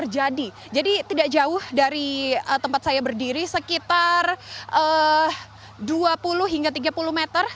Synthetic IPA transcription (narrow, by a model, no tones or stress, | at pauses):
ərd͡ʒadi | d͡ʒadit̪idaʔ̚d͡ʒaʊhdaɾiət̪əmpat̪̚sajabərdiɾisəkit̪arʔə | duapulʊhɦiŋɡat̪iɡapulʊhmet̪ər